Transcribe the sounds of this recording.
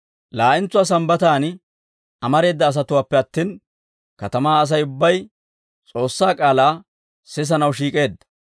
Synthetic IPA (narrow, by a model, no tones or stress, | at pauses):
laːʔɪnt͡sːʊwaːs̬ɐmbɐt̪aːn | ʔɐmɐɾe̞ːd̪ːɐːs̬ɐt̪ʊwaːpːɛɐt̪ːiːn | kɐt̪ɐmaːs̬ɐjʊbːɐj | t͡sʼo̞ːsːaːkʼaːlaː | sɪs̬ɐnɐwʃiːkʼe̞ːd̪ːɐ̥